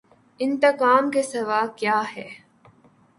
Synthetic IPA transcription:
ɪnt̪ɐkaːmkesɐʋaːkjaːhɛː

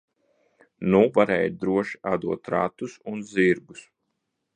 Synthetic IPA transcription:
nuvaɾɛ̰ːjd̪ɾuɔʃi̥ʔad̪uɔt̪ɾa̰t̪usunziɾɡus

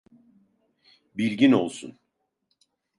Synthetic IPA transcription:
bilʲɟino̞lˠsṵn

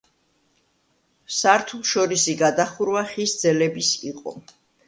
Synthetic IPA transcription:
saɾt̪ʰulˠʃɔɾisiɡad̪aχuɾwaχisd̪zɛlɛbisḭqʼɔ̰

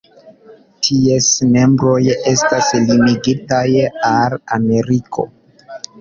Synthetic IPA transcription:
tʰie̞sme̞mbɾo̞je̞staslimiɡitajalame̞ɾikʰo̞̰

